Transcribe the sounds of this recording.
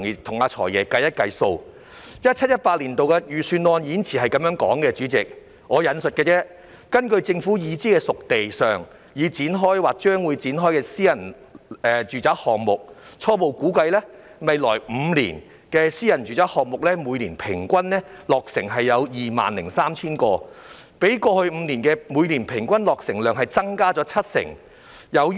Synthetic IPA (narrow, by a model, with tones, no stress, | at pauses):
ŋ˨˩t̪ʰʊ˨˩ŋaː˧t͡ʃʰɔ̰ː˨˩jɛː˨˩kɐ˧jɐ˥t̚kɐ˧jso˧w | jɐ˥t̚t͡ʃʰɐ˥t̚jɐ˥t̚paː˧t̚liː˨˩nt̪o˨wkɛː˧jyː˨syː˧nlɔː˧njiː˨˧˥nt͡sʰiː˨˩ɦɐ˨jkɐ˨˥mjœː˨˥ŋkɔ̰ː˨˥ŋkɛː˧t͡ʃyː˨˥t͡sɪ˨k̚ | ŋɔː˨˧jɐ˨˧nsɵ˨t̚kɛː˧t͡sɛː˥ | kɐ˥nkɵ˧ɥt͡sɪ˧ŋfuː˨˥jiː˨˧t͡siː˥kɛː˧sʊ˨k̚t̪e˨jsœː˨˩ŋ | jiː˨˧t͡siː˨˥nɦɔː˥jwaː˨˩k̚t͡ʃœː˥ŋwuː˨˧jt͡siː˨˥nɦɔː˥jkɛː˧siː˥jɐ˨˩n | ɛː˨t͡ʃyː˨˩t͡saː˨˥hɔː˨ŋmʊ˨˩k̚t͡ʃʰɔː˧po˨wkuː˨˥kɐ˧jlɛː˥mɐ˨˩jlɔ̰ː˨˩jm̩˨˧lḭː˨˩n | kɛː˧siː˥jɐ˨˩nt͡ʃyː˨t͡saː˨˥hɔː˨k̚mʊ˨˩k̚lɛː˥muː˨˧jliː˨˩npʰɪ˨˩ŋkʷɐ˥nlɛː˥lɔː˨k̚sɪ̰˨˩ŋɦɐ˨jːɐ˨˧wjiː˨ma̰ː˨nlɪ̰˨˩ŋsaː˥mt͡sʰiː˥nkɔː˧ | pe˨˥jkɔː˧hɵ˧ɥm̩˨˧liː˨˩nkɛː˧muː˨˧jliː˨˩npʰɪ˨˩ŋkʷɐ˥nlɔː˨k̚sɪ˨˩ŋlœː˨ŋɦɐ˨jt͡sɐ˥ŋkaː˥t͡sɔ˨˥t͡sʰɐ˥t̚sɪ̰˨˩ŋ | jɐ˨˧w